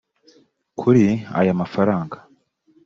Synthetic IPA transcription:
kʰuɾia̰jamafaɾaːŋɡḁ

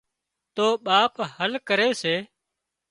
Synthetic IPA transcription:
t̪oːɓaːphəlkəɾeːseː

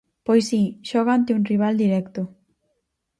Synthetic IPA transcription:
pojsiʃɔɣant̪eunriβ̞ald̪iɾɛkt̪o

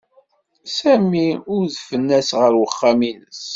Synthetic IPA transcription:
sæmiʊɾðfənːæsʁəɾwəχːaminəs

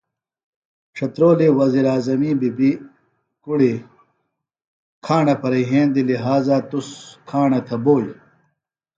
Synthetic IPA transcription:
ʈ͡ʂʰɐt̪ɾoːliwɐziːɾaːzɐmiːbibi | kuɽi | kʰaːɳɐpɐɾɐjɦẽːnd̪iliɦaːzat̪uskʰaːɳɐt̪ʰɐboːj

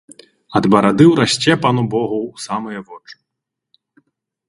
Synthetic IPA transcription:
ɐd̪bɐɾad̪ɨwɾasʲt͡sʲɛpɐnubɔɣɐwusamɐjɐvɔt͡ʂɨ̥

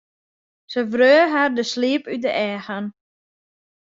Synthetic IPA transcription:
səvrøːɦardəsliːəpydəʔɛːxan

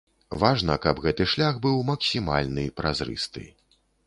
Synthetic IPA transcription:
vaʐnɐkɐbɣɛt̪ɨʂlʲaɣbɨwmɐksʲima̰lʲnɨpɾazɾɨ̰st̪ɨ̰

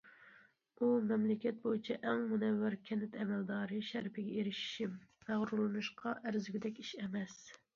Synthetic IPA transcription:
umɛmlɪkʲɛt̪̚bojit͡ʃʰɛʔɛŋmunɛvːæɾkʲʰɛnɪt̪ʰɛmɛld̪ɑːɾɨʃæɾpʰɪɡʲɛeɾɪʃi̥ʃimːæʁɾulˠɨnɨʃqʰɑʔæɾzyɡʲid̪ɛkʲiʃɛmɛs

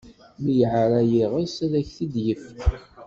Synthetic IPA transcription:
mijʕɾæjiʁəsæðæçθid̪jəf

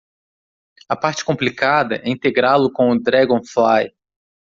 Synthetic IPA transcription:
ɐpaɾt͡ʃɪ̥kõplikad̪ɐʔɛĩnt̪eɡɾalʊkõʊd̪ɾɛɡõflaj

